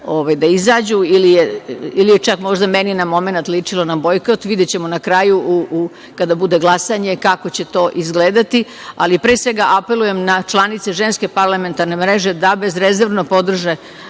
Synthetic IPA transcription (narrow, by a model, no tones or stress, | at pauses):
oʋajd̪aizaːd͡ʑuilijeilijet͡ʃakmo̞ʒd̪ameninamo̞me̞nat̪lit͡ʂilˠo̞nabo̞jkot̪ʋid̪jet͡ɕe̞monakɾaːjuʔu | kad̪abud̪e̞ɡlˠasaɲe̞kako̞t͡ɕe̞t̪o̞ːʔizɡleːd̪at̪i | a̰lipɾeːsʋe̞ɡaʔape̞luje̞mnat͡ʃlˠanit̪se̞ʒenske̞paɾlˠame̞nt̪aɾne̞mɾeʒed̪abe̞zɾezeɾʋnopo̞d̪r̩ʒe